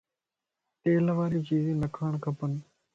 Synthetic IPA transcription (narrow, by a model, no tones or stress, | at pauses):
t̪eːlʋaːɾiːt͡ʃiːzĩːnəkʰaːɳ̃kʰəpən